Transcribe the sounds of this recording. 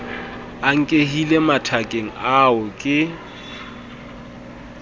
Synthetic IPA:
aŋ̩kʼehilematʰakʼeŋ̩aʊkʼɪ

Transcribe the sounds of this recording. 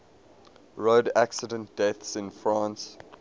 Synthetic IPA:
ɹodæksədə̃nt̚d̥ɛθsɪ̃nfɹãːns

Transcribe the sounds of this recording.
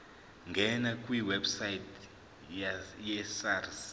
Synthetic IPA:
ŋɡʱɛnakʼwiwɛbsajit | jɛsaris

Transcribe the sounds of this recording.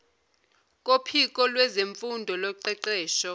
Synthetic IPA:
kʼopʰik̬ʼɔlwɛzeɱfundʱɔlɔǃɛǀɛːʃɔ

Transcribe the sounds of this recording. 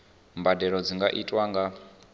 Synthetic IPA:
mbadɛɺɔd͡ziŋɡaʔitʼwaŋɡa

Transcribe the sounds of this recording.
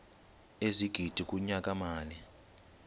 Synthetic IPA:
eziɡ̥ʱid̥ʱikʼuɲakʼamaːnɛ

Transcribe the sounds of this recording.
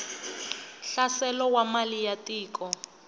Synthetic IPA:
ɬasɛlɔwamalijatʼiːkɔ

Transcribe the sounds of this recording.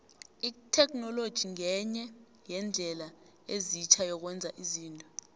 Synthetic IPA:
itʰɛk̬ʰʼnɔlod̥ʒ̥ʱiŋɛɲɛ | jɛnd͡ɮʱɛla | ezit͡ʃʰajɔk̬wɛnd͡zʱaʔiziːntʼɔ

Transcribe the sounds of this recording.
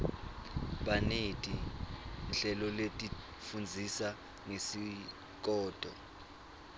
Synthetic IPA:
ɓanetʼi | nɬɛlɔletʼi | fund͡zʱisa | ŋesi | k̬ɔːd̥ʱɔ̰

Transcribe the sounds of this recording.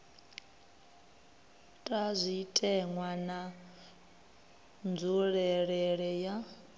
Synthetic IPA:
tʼazʷitʼɛŋwana | nd͡zuɺɛɺɛɺɛja

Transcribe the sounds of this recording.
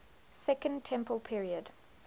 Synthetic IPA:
sɛkə̃ntʰɛ̃mpəlˠpʰiɹiəd̥

